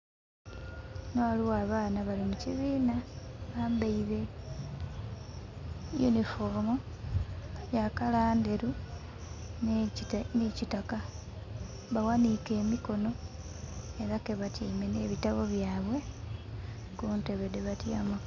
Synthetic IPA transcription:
noaliwaːβaːnaβalimuciβiːnaβaːmbeiɾe̞ | jṵnifom | jakalaːnde̞ɾu | nicitaka | βawanike̞ːmiko̞no̞ | e̞ɾake̞βatʰiːme̞ne̞ːβitaβo̞βjaːβwe̞ | kunte̞βedeβatjamo

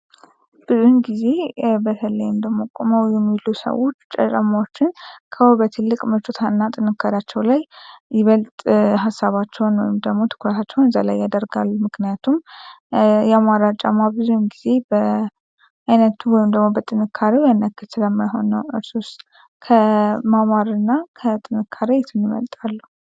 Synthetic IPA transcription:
b̥ɨzuhɨnɡize̞bət̪ʰələjɪmd̪əmːokʼoməwjɛmːilusə̰wo̞t͡ʃːt͡ʃʼə̰t͡ʃʼamawot͡ʃːɪnkʰəhobət̪ʰɨlːɨkʼmət͡ʃʼot̪ʰaɨnːat̪ʼɨnɨkʰːaɾat͡ʃːɛwlajːɪβəlt̪ʼɦasːaβat͡ʃːɛwnwɔ̰jɪmd̪əɡmo̞t̪ʰɨ̥kɾət̪ʰat͡ʃːɛwnɨza̰la̰jːad̪əɾɡalmɨknijat̪ʰum | jamaɾat͡ʃʼamaβɨzujmɡize̞bə | ajnət̪ːuwɔjɪmd̪əɡmo̞bət̪ʼɨnɨkʰːaɾiwjanːəkʰːɨt̪sɨləmːajɦo̞̰nəwɨɾsost̪ | kʰəmamaɾɨnːakʰət̪ʼɨnɨkʰːaɾejɛt̪ʰɨnɪmə̰lt̪ʼalːu

